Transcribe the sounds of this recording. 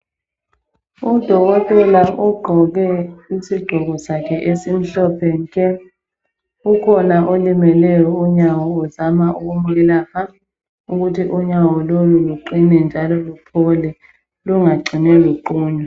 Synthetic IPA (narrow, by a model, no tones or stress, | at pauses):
ud̥ʱɔk̬ɔtʼɛlaʔuɡ͡ǃʱɔk̬ɛisiɡ͡ǃʱɔɣ̬ɔsakʰɛʔesim̩ɬɔpʰɛŋkʰʼɛ | ukʰɔnaʔolimɛlɛjɔuɲawɔuzamaʔuk̬umukɛlaha | uk̬utʰiʔuɲawɔloluluǃinɛnd͡ʒʱalɔlupʰɔlɛ | luŋaɡ͡ǀʱinɛluǃuːɲɔ